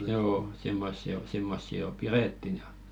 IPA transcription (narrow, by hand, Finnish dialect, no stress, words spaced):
joː simːosːi o simːosːi jo pireˑtːin j̊ɑ̥